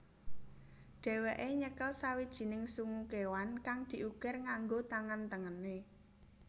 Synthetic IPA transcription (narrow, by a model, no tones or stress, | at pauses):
ɖ̥ɛ̤weʔeɲəkəlsawid̥ʒ̥i̤nɪŋsuŋukewankaŋd̪̥i̤ʔuɡ̥ɛrŋaŋɡot̪aŋant̪əŋəne